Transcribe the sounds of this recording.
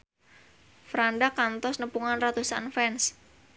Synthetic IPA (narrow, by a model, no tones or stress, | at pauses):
fɾandakant̪ɔsnəpuŋanrat̪usa̰nfɛns